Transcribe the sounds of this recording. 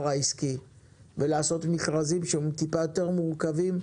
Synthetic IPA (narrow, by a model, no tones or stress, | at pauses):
ʁaiski | velaːso̞t̪mifʁazimʃeemt̪ipajo̞t̪e̞ʁmuʁkavim